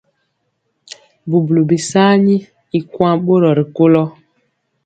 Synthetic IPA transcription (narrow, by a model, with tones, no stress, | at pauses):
bu˨blu˨bi˨saː˦ɲi˦ | i˨kwã˦ɓo˦ɾɔ˨ɾi˨ko˦lɔ˦